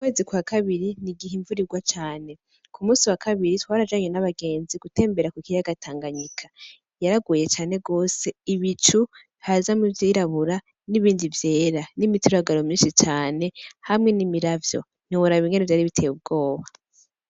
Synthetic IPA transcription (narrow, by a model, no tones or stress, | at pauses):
ukwe̞ːzikwakʰaβiɾiniɡiɦiɱvuɾiɡwat͡ʃaːne̞ | kumuːsiwakaβiɾitwaːɾad͡ʒaɲenaβaɡe̞ːnziɡ̥ute̞ːmbe̞ɾakukijaɡatʰaːŋɡaɲikʰḁ | jaɾaɡwuje̞t͡ʃaːne̞ɡo̞ːse̞iβit͡ʃu | hazamuvjiːɾaβuɾa | niβiːndivje̞ːɾanimituɾaɡaɾo̞mɲiːnʃit͡ʃaːne̞hamŋe̞nimiɾavjo̞̰ | n̥iuɾaβiŋɡenevjaːɾiβitʰe̞ːjub̚ɡo̞ːβa